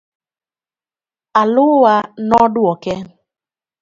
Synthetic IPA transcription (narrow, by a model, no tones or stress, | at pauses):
alʊwanɔdwɔkɛn